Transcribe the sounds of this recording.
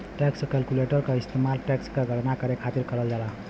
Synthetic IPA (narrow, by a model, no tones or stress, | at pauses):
ʈekskɛlkuleʈəɾkaist̪emalʈekskaɡʱʌʈnakʌɾekʰat̪iɾkʌɾəld͡zala